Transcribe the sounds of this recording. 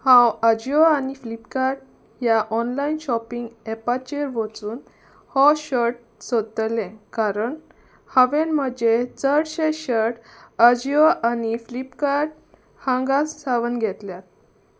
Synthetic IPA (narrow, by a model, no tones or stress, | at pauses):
hãwəd͡ʑiəaniflipkaɾʈ | jaʔɔnlainɕɔpiŋɡɛpat͡ɕeɾʋət͡suːn | hɔɕəʈ̚ | sət̪lẽkaɾəɳ | haʋenm̤əd͡ʑet͡səɽɕeɕəɾɽəd͡ʑiəʔaniflipkaɾʈ̚ | hãŋɡassaʋənɡʱɛt̪ljat̪̚